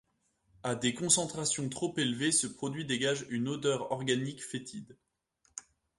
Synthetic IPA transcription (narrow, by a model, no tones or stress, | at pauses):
ad̪ekɔ̃sɑ̃t̪χasjɔ̃t̪χopelvesəpχɔd̪ɥid̪eɡaʒynod̪œʁɔ̰ʁɡanikfet̪ʰid̪